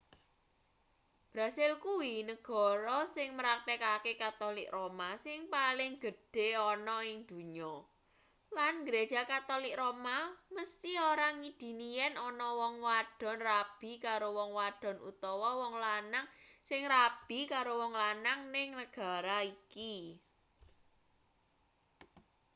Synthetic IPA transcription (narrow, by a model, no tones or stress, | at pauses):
b̥ɾa̤sɪlkuwinəɡ̥ɔ̤ɾɔsɪŋməɾak̚t̪ekakekat̪olɪkromasɪŋpalɪŋɡ̥ə̤ɖ̥e̤ɔnɔɪŋd̪̥ṳɲɔ | lanɡɾe̥ʒ̥a̤kat̪olɪk̚romaməst̪ioɾaŋid̪̥i̤nijɛnɔnɔwɔŋwaɖ̥ɔ̤nrab̥i̤kaɾowɔŋwaɖ̥ɔ̤nʔṵt̪ɔwɔwɔŋlanaŋsɪŋrab̥i̤kaɾowɔŋlanaŋnɪŋnəɡ̥a̤ɾaiki